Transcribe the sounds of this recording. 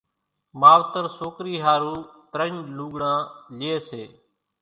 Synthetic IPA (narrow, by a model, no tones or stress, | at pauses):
maːʋt̪əɾsoːkɾiːɦaːɾuːt̪ɾəɲluːɠɽãːlɪeːseː